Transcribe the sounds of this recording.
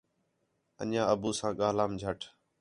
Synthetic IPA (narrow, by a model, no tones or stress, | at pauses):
ə̰ɲãːəbuːsãːɠaːlaːmd͡ʒʱəʈʰ